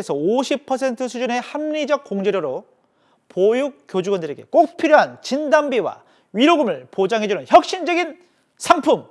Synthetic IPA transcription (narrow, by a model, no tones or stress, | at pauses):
esʰʌoɕʰipʰʌsʰe̞ntʰɯsʰud͡ʑune̞hamɲid͡ʑʌk̚k͈ːoŋd͡ʑeɾjoɾo | pojuk̚k͈ːjod͡ʑuɡwʌndɯɾe̞ɡe̞̰k͈ok̚pʰiɾjoɦant͡ɕindambiwa̰ | ɥiɾoɡɯmɯɭpod͡ʑaŋɦe̞d͡ʑunɯnçjʌk̚ɕ͈ind͡ʑʌɡin | sʰaŋpʰum